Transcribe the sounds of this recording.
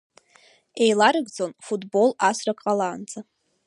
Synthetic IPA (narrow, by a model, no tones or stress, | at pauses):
e̞jlaɾɨɡd͡zo̞nfutʰʼbo̞lasrakʼqʼalaːnd͡zʼa